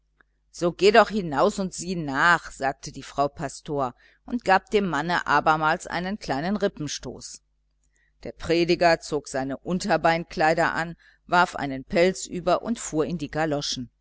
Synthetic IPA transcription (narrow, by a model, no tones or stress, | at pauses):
z̥oːɡeːdɔχhɪnaʊsʊntz̥iːnaːχz̥aːk̚tʰədiːfʁ̥aʊpʰastʰoːɐ | ʔʊntɡ̥aːp̚d̥eːmːanə̰ʔaːbɐmaːlsʔa̰ɪnənkl̥aɪnənʁɪpm̩ʃto̰ːs | d̥eːɐpʁ̥eːdɪɡɐt͡soːkz̥aɪnəʔʊntɐbaɪnkl̥aɪɾɐʔa̰n | vaɐfʔa̰ɪnənpʰɛlt͡sʔyːbɐʔʊ̰ntfuːɐɪndiːɡalɔʃn̩